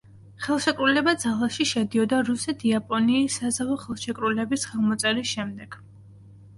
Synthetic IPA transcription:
χɛlˠʃɛkʼɾulɛbad̪zalˠaʃiʃɛd̪iɔd̪aɾusɛt̪ʰiapʼɔniːsazavɔχɛlˠʃɛkʼɾulɛbisχɛlˠmɔt̪sʼɛɾisʃɛmd̪ɛɡ̥

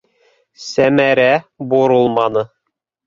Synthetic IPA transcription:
sæmæɾæboɾɤlˠmɑnɤ

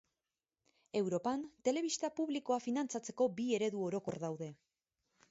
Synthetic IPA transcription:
e̞wɾo̞pant̪e̞le̞β̞ist̪apuβliko̞afinant͡sat͡se̞ko̞bie̞ɾe̞ðuo̞ɾo̞ko̞ɾðawðe̞

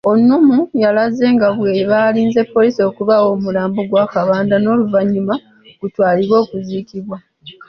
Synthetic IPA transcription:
o̞nːumujalaze̞ːŋɡaβweβaːliːnze̞pːo̞liːsio̞ːkuβawo̞ːmulaːmboɡwaːkaβaːndano̞ːluvaɲːuma | ɡ̥utwaːliβwo̞ːkuziːkiβwa

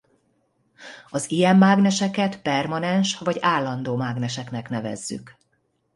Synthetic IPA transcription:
ɒzijɛmːaːɡnɛʃɛkɛt̪pɛrmɒnɛnʃʋɒɟaːlːɒnd̪oːmaːɡnɛʃɛknɛknɛvɛ̰zːy̰k

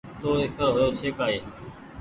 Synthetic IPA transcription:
t̪oːɪkʰəɾɦoːjoːt͡ʃʰeːkaːeː

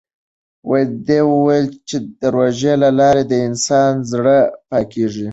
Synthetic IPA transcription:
wajd̪ewəwajlt͡ʃed̪̥əɾoʒelalɑɾed̪əɪnsɑnzɽəpɑkeʐi

